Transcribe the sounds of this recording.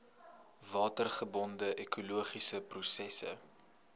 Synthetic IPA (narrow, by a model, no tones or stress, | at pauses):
vɑːtərχəbɔndəʔekʰuluəχisəprusɛsə̰